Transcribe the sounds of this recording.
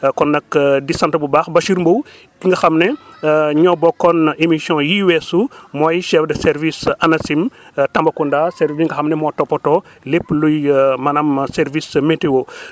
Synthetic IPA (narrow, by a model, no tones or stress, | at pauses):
kɔnːɐkdisãntɐbubaxbɐʃiɾmbow | kiŋɡɐxɐmnɛɲɔbɔkːɔnemisjɔ̃jiwɛsumɔjʃɛfdɐsɛɾvisɐnɐsimtɐmbɐkundasɛɾviŋɡɐxɐmnɛmɔtɔpːɔtɔ | lepːlujmɐnɐmsɛɾvismeteo